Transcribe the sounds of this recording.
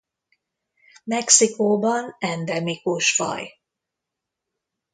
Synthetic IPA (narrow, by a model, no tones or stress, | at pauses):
mɛksikoːbɒnɛnd̪ɛmikoːʃfɒ̰j